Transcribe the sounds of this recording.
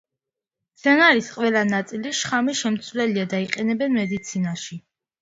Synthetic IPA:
t̪sʰɛnaɾisqʼwɛlˠanat̪sʼiliʃχamiʃɛmt̪sʰvlɛliad̪aiqʼɛnɛbɛnmɛd̪it̪sʰinaʃi

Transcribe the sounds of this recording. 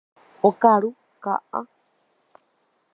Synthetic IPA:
okaɾu | ka̰ʔa

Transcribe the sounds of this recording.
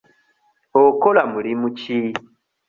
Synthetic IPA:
okolamulimuci

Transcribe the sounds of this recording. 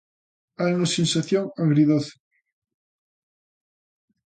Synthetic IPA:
alnosinsaθjoŋaŋɣɡɾiðoθo̥

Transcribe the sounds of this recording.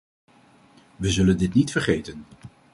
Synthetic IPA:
ʋəzɵləndɪtnitfəɹχejtən

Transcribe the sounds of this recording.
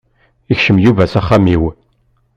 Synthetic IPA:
içʃəmjuvæsæχːamiw

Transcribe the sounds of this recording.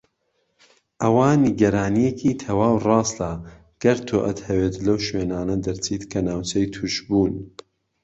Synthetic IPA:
ʔɐwaːniɡɐɾaːnijecʰiːt̪ʰɐwaːwrɑːsla | ɡ̥ɐɾt̪ʰoːʔɐt̪hɐweːt̪lɐwʃweːnaːnɐd̪ɐɾt͡sʰiːt̪kʰɐnaːwt͡ʃʰɐjt̪ʰuʃbuːn

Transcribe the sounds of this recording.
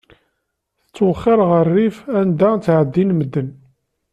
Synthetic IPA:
θət͡sːwəχːɪɾʁərːifænd̪æt͡sːʕəd̪ːinməd̪ːən

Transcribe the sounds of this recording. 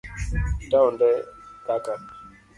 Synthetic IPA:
taɔndɛtaka

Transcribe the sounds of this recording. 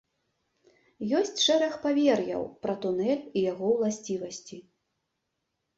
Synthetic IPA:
jɔsʲt͡sʲʂɛɾɐxpavʲɛrjɐ̰wpɾɐt̪unɛlʲijaɣɔwlˠasʲt͡sʲivɐsʲt͡sʲi

